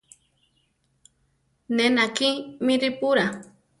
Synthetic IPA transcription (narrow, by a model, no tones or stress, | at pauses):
nenakimĩɾipuɾa